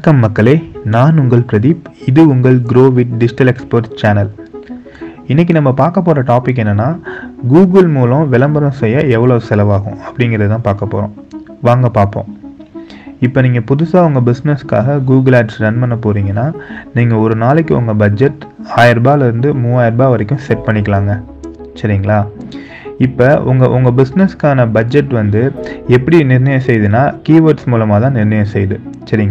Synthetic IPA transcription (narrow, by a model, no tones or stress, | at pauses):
kːɐmːɐkːɐɭeːnaːnʊŋɡɐɭpɪɾɐðipɪðɯʊŋɡɐɭɡɾoːʋɪʈɖɪd͡ʒɪʈɐlɛkspoːɾʈt͡ʃaːnɐl | ɪnːɛk̬ːinɐmːɐpaːɾkɐp̬ːoːɾɐʈaːpɪk̬ːɛnːɐnːaːɡuːɡɐlmuːlɔ̃ʋɪlɐmbɐɾɐ̃sɛjːɐɛʋːɐɭoːsɛlɐʋaːɣʊ̰̃ɐpːɐɽɪŋɡɪɾɐðɯt̪ãːpaːɾkɐpːo̰ːɾõ̰ː | ʋaːŋɡɐpaːɾpõ̰ː | ɪpːoːniːŋɡɐpʊðʊsaːɐŋɡɐbɪsnɛska̰ːɣɐɡuːɡɐlaːʈsɾɐnmɐnːɐpoːɾiːŋɡɐnːaːniːŋɡɐɔɾɯnaːlɛkːɯʊ̰ŋɡɐbɐd͡ʒɛʈːaːjɪɾɐbaːlɪɾɯnd̪ɯmuːaːjɪɾbaːʋɐɾɛkːʊ̃sɛʈ̚pɐɳːɪk̬ːɐlaːŋɡɐ | sɐɾɪŋɡɐɭaː | ɪpːɐʊŋɡɐʔʊŋɡɐbɪsnɛskaːnɐbɐd͡ʒɛʈːʋɐnd̪ɯɛpːɐɽinɪɾnɐjɐ̃sɛjðɯnːaːkiːʋɐɾʈsmuːlɐmaːt̪ãːnɪɾnɐjɐ̃sɛjðɯsɐɾɪŋɡɐ